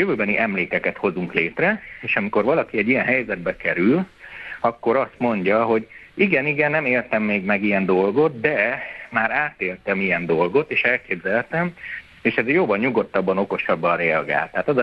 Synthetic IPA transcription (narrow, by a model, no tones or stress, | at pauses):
jøvøːbɛniʔɛmleːkɛkɛt̪ho̞zuŋkleːt̪rɛeːʃɒmiko̞rvɒlɒkiɛɟːijɛnɦɛjzɛd̪̚bɛkɛɾylɒkːo̞ɾɒst̪mo̞ɲɟɒɦo̞ɟ | iɡɛniɡɛnːɛmeːlt̪ɛmːeːɡmɛɡijɛnd̪o̞lɡo̞t̪̚d̪ɛmaːɾaːt̪eːlt̪ɛmijɛnd̪o̞lɡo̞t̪eːʃɛlkeːbzɛlt̪ɛm | eːʃɛzjoːvɒnɲuɡo̞t̪ːɒbːɒno̞ko̞ʃɒbːɒnrɛɒɡa̰ːlt̪ːɛɦaːt̪ɒzɒ